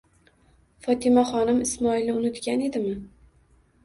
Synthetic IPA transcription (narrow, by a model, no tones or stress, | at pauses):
fɒt̪ʰɪmaχɒnɪmɪsmɒɪlnɪʊnɪt̪kʲane̞d̪ɪmɪ